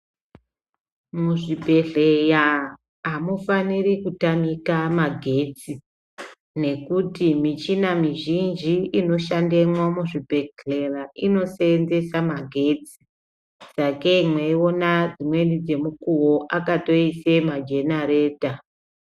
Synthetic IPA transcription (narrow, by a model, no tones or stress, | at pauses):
muʐibʱe̞ɮeja | ɦamufanirikutamikamaɡʱe̞t͡si | ne̞kutimit͡ʃinamiʒind͡ʒiino̞ʃandemwamuʐibʱe̞ɮe̞raʔino̞seenze̞samaɡʱe̞t͡si̥ | d͡zake̞imwe̞io̞nad͡zimwe̞nid͡ze̞mukuwo̞ʔakato̞isemad͡ʒe̞naɾe̞ːta